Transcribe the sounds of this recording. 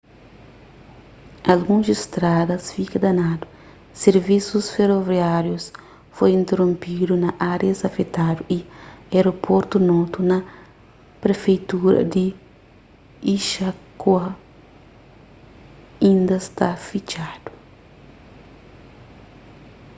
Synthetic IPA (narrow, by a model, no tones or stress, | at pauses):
ɐlɡũzist̪ɾad̪ɐsfikɐd̪ɐnad̪u̥ | seɾvisusfeɾoviaɾjus | fojĩnt̪eɾõmpid̪unɐʔaɾjɐsɐfet̪ad̪uieɾopʰoɾt̪unɔt̪unɐ | pɾefejt̪uɾɐ̰d̪i | iʃakuɐ | ĩnd̪ɐst̪afit͡ʃad̪̥u̥